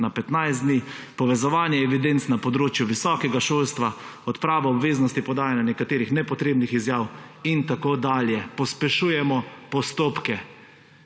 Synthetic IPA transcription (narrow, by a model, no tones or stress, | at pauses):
napɛt̪najzd̪niːpɔʋɛzɔʋaːnjɛːʋid̪ent̪snapɔd̪ɾoːt͡ʃjuʋisɔːkɛɡaʃolst̪ʋa | ɔt̪pɾaːʋɔɔbʋeːznɔst̪ipɔd̪aːjanjanɛkat̪eːɾixnɛpɔt̪ɾeːbnixizjaːw | int̪akod̪aːljɛpɔspɛʃujɛmɔpɔst̪oːpkɛ